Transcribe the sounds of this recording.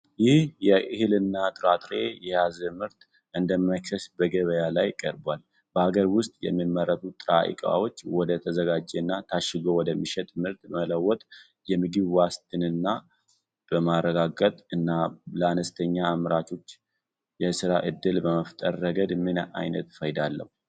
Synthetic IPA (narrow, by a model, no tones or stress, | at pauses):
jɪhjɛʔɨhɨlɨnːat̪ʼɨɾat̪ʼɾe̞jɛjazəmɨɾt̪ | ʔɨnd̪əmːaksəsbəɡəβəjalajkʼəɾbwal | bəhaɡəɾwʊst̪ʼjɛ̰mːimːərːət̪ʰut̪ʼɨɾa̰ʔḭkʼa̰wo̞t͡ʃːwɔd̪ət̪ʰəzəɡad͡ʒːeɨnːat̪ʰaʃɪɡo̞wɔd̪əmːiʃɛt̪ʼmɨɾt̪mələwːɔt̪ʼ | jɛmɨɡɨβwast̪ʰɨnɨnːa | b̥əmarːəɡaɡət̪ʼɨnːaləanəst̪ʰəɲːaːmɾat̪ʰo̞t͡ʃː | jɛsɨɾaʔɨd̪ːɨlbəməft̪ʼəɾːəɡəd̪mɨna̰jnət̪fəjd̪alːə̰hu